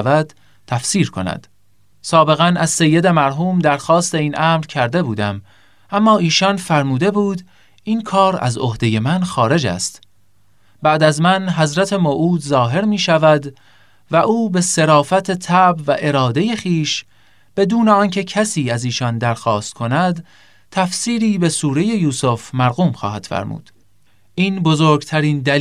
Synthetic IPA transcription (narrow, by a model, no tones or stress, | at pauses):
væd̪̥ | t̪ʰæfsiːɾkʰo̞̰næ̰d̪̥ | sɒːbe̞ɣænæzse̞jːe̞d̪e̞mæɾɦuːmd̪æɾxɒːst̪e̞iːnʔæmɾcʰæɾd̪e̞buːd̪æm | ʔæmːɒːiːʃɒnfæɾmuːd̪e̞buːd̪ | iːnkʰɒːɾæ̰zohd̪e̞je̞mænxɒːɾe̞d͡ʒæ̰st̪ | bæʔd̪æzmænɦæzɾæt̪ʰe̞moʔuːd̪zɒːɦe̞ɾmiːʃævæd̪ | væʔuːbe̞se̞ɾɒːfæt̪ʰe̞t̪ʰæʔbvæʔe̞ɾɒːd̪e̞je̞χiːʃ | b̥e̞d̪uːneɒːncʰe̞cʰæsiːæziːʃɒnd̪æɾxɒːst̪̚kʰo̞næd̪ | t̪ʰæfsiːɾiːbe̞suːɾe̞je̞juːsofmæɾɣuːmxɒ̰ːhæd̪̥fæ̰ɾmṵːd̪̥ | ʔiːnbozoːɾɡt̪ʰæɾiːnd̪æ